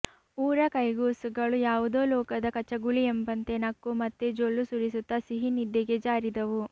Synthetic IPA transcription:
uːɾɐkɐjɡuːsuɡɐɭujaːʋud̪oːlɔːkɐd̪ɐkɐt͡ʃɐɡuɭiembɐnt̪enɐkːumɐt̪ːed͡ʒolːusuɾisut̪ːɐsiɦinid̪ːɛɡed͡ʒaːɾid̪ɐʋu

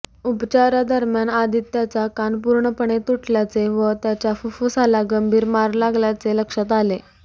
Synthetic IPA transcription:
upt͡ɕaɾad̪əɾmjanad̪ʱit̪ːjat͡sakanpuɾɳəpəɳ̃et̪uʈʰljat͡seʋət̪jat͡ɕjafufusalaɡəmbʱiːɾmaɾlaɡljat͡seləkʂat̪ale

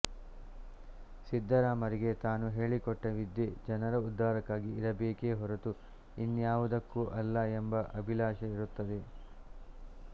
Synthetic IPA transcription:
sid̪ʱːɐɾaːmɐɾiɡe̞t̪aːnuɦe̞ːɭikɔʈːɐʋid̪ːed͡ʒɐnɐɾɐud̪ʱːaːɾɐkːaːɡiːɾɐbeːke̞ɦɔɾɐt̪u | inːjaːʋud̪ɐkːuʔɐlːɐembɐʔɐbʱilaːʃɐiɾut̪ːɐd̪e̞

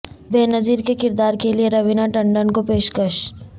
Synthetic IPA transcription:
beːnɐziːɾkekɪɾd̪aːɾkelieɾɐʋɪnaʈɐ̃ɳɖənkopeːʃkəʃ

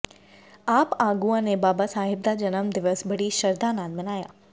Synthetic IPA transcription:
aːpaːɡuãnebaːbasaːɦɪb̚d̪ad͡ʑɐnəmd̪ɪʋəsbɐɽiʃɐɾd̪anãːnmɪnaːja̰ː

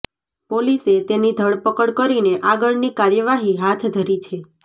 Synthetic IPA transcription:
poliset̪enid̪ʱəɭpəkəɽkəɾineʔaɡəɭnikaɾjəʋaɦiɦat̪ʰd̪ʱəɾit͡ʃʰe

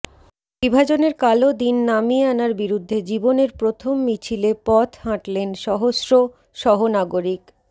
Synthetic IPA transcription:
bibʱad͡ʑoneɾkalod̪inːamianaɾbiɾud̪ʱːed͡ʑiboneɾpɾot̪ʰomːit͡ɕʰilepɔt̪ʰhãʈlenʃɔɦosɾo | ʃɔɦonaɡoɾik

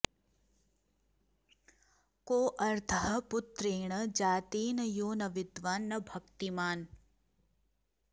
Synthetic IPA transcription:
koːʔɐɾt̪ʰɐɦɐpʊt̪ɾeːɳɐd͡ʒaːt̪iːnɐjoːnɐʋɪd̪ʋaːnːɐbʱɐkt̪imaːn

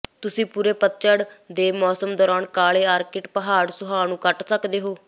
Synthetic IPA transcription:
t̪ʊsĩːpuːɾeːpət̪t͡ʃəɽd̪eːmɔːsəmd̪ɔːɾaːɳkaːɭeːaːɾkɪʈpəɦaːɽsʊɦaːnũːkəʈsəkd̪eːɦoː

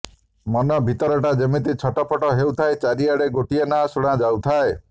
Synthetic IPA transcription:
mɔnɔbʱit̪ɔɾɔʈad͡ʒemit̪it͡ʃʰɔʈɔpʰɔʈɔɦewt̪ʰaet͡ʃaɾiaɽeɡoʈienasuɽ̃ad͡ʒawt̪ʰae

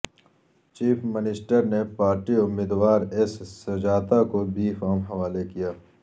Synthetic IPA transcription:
t͡ʃiːfʰmɪnɪsʈəɾnepaːɾʈiʊmːiːd̪waːɾɪssɐd͡ʒaːt̪akobʱifaːmɦɐʋaːlekijaː

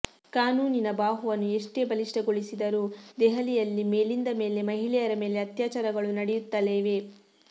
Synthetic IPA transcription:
kaːnuːninɐbaːɦuʋɐnːue̞ʂʈe̞ːbɐliʂʈɐɡoɭisid̪ɐɾuːd̪ɛɦɐlijɐlːime̞ːlind̪ɐme̞ːle̞mɐɦilɛjɐɾɐme̞ːle̞ɐt̪jaːt͡ʃaɾɐɡɐɭunɐɽejut̪ːɐle̞ːʋe̞

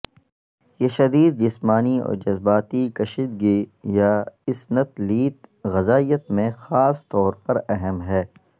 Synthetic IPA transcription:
jeʃɐd̪iːd̪̚d͡ʒɪsmaːniɔ̰ːɾd͡ʒɐzbaːt̪ikɐʃɪd̪ɡijaɪsnət̪liːt̪ɣɐzaːijət̪mẽxaːst̪ɔːɾpɐɾɛɦɛmɦɛː

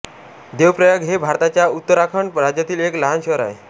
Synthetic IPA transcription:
d̪ewpɾəjəɡɦebʱaɾt̪at͡ɕjaut̪ːəɾakʰəɳɾad͡ʑjat̪iːlekləɦanɕəɾa̰e

